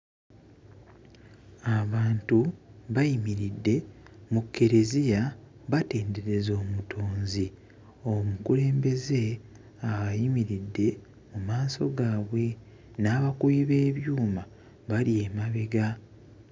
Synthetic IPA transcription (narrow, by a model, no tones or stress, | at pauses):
aβaːntuβajimiɾidːe̞mukʰːe̞ɾe̞zija | βate̞ːnde̞ɾe̞zo̞ːmutʰo̞ːnzi | o̞mukule̞ːmbe̞ze̞ | aβajimiɾidːe̞ | mumaːso̞̰ɡaːβwe̞ | naːβakuiβe̞ːβjuːma | βalie̞maβe̞ɡa